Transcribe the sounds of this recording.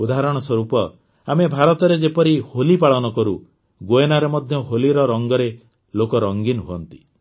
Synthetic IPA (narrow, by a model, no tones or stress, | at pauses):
ud̪aɦɾɔɽ̃ɔswɔɾupɔ | amebʱaɾɔt̪ɔɾed͡ʒepɔɾiholipaɭɔnɔkɔɾu | ɡoenaɾemɔd̪ʱjɔɦoliɾɔɾɔŋɡɔɾe | lokɔɾɔŋɡinɔɦuɔnt̪i